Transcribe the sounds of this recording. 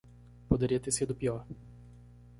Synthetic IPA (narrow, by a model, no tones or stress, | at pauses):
pod̪eɾiɐt̪eɾsid̪ʊpiɔɾ